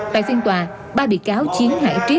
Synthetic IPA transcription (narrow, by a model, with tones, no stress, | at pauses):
t̪a̰ː˧˨jsi˧ŋt̪waː˨˩ | ɓaː˧ɓḭ˧˨kaː˨˦wt͡ɕi˨˦ənha̰ː˧˩jt͡ɕi˦˥